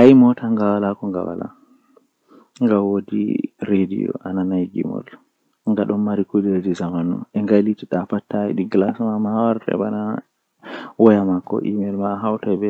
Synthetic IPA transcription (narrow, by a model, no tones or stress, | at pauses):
ʔajmɔtaŋɡawalakɔŋɡa̰wa̰la̰ | ŋɡawodḭɾedḭjɔ̰ʔananajɡḭmɔ̰l | ŋɡaɗɔnmaɾikudid͡ʒizamanɔ̰ɛŋɡalitiɗafatːaɛ̰ɗiɡlasmamawaɾtɛ̰bana | wɔjamakːɔ̰ʔimelmaɦawtajbɛ